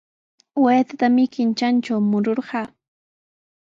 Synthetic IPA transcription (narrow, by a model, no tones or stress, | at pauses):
weːt̪at̪amɪkɪnt͡ʃant͡ʃawmʊɾoɾɢɑː